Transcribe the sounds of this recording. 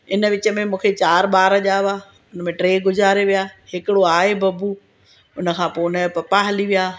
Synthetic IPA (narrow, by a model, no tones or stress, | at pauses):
ɪnəʋɪt͡ɕə̆mẽmũːkʰet͡ɕaːɾɓaːɾəʄaːʋaː | ʊnəmẽʈɾeːɡʊzaːɾeʋijaːhɪkɪɽoaːɦebʱɐbuː | ʊnə̆kʰãːpoːʊnəpɐpaɦɐliʋijaː